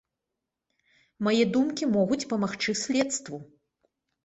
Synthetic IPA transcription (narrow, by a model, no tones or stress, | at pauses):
majɛd̪umkʲimɔɣut͡sʲpɐmaxt͡ʂɨsʲlʲɛt̪st̪vu